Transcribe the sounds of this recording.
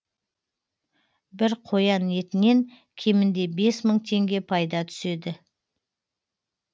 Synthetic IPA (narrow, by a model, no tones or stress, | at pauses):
bɪɾqʰo̞jɑne̞t̪ɪne̞ŋ | kʲʰe̞mɪnd̪e̞be̞sməɴt̪ʰe̞ŋɡʲe̞pʰɑjd̪ɑt̪ʰʏ̥se̞d̪ɪ